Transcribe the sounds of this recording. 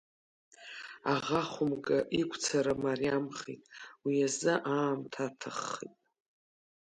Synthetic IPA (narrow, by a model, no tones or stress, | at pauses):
aʁaχʷʊmɡʼaʔikʷʰʼt͡sʰaɾamariamχḭtʼwiazɨʔaːmtʰatʰaχːḭtʼ